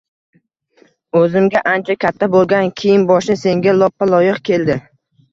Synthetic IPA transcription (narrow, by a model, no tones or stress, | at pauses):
ɵzɪmɡʲaʔant͡ʃʰakʲʰat̪ʰːabolˠɡʲankʲʰijɪnbɒʃɪse̞ŋɡʲalˠɒpʰːalˠɒjɨqkʲe̞ld̪ɪ